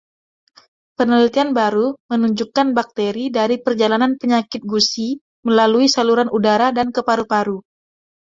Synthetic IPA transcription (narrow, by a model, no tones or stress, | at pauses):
pərnəlit̪ianbaɾumənuɲd͡ʒukanbak̚t̪eɾidaɾipərd͡ʒalananpəɲakɪt̪̚ɡusi | məlaluisaluɾanʔudaɾadankəpaɾupaɾu